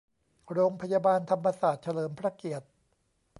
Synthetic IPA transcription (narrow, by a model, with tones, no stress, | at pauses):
ɾoː˧ŋpʰa˧jaː˧baː˧nt̪ʰa˧mːa˧saː˨˩t̪̚t͡ɕʰa˧lɤː˩˦mpʰɾa˦˥ki˨˩ət̪̚